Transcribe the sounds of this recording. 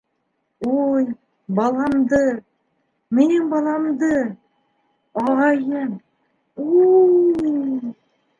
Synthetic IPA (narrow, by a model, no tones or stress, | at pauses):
uj | bɑlˠɑmd̪ɤ | minɘŋbɑlˠɑmd̪ɤ | ɑʁɑjɤm | u | j